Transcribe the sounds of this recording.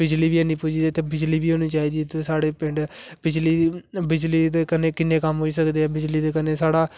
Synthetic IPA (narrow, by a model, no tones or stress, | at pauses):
bɪd͡ʒliːbiːɛːnĩːpʊd͡ʒiːd̪eːt̪eːbɪd͡ʒliːbiːɦoːnĩːt͡ʃaːiːd̪iːt̪eːsaːɽeːpɪɳɖbɪd͡ʒliːbɪd͡ʒliːd̪eːkəneːkɪnːẽːkəmɦoːiːsəkd̪eːɛːbɪd͡ʒliːd̪eːkənːeːsaːɽaː